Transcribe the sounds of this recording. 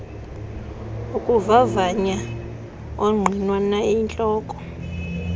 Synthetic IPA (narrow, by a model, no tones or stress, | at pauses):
ukʼuvavaɲa | oŋ͡ǀʱinwanaint͡ɬʼɔːkʼɔ̥